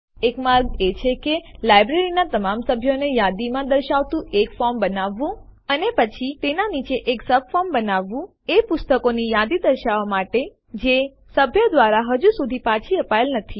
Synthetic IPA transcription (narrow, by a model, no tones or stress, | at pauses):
ekmaɾɡet͡ʃʰekelajbɾeɾinat̪əmamsəbʱjonejad̪imãd̪əɾʃaʋt̪ũekfɔɾmbənaʋːũənepət͡ʃʰit̪enanit͡ʃeʔeksəb̚fɔɾmbənaʋːũ | epʊst̪əkonijad̪id̪əɾʃaʋamaʈe | d͡ʒe | səbʱjəd̪ʋaɾaɦəd͡ʒusud̪ʱipat͡ʃʰiəpajelnət̪ʰi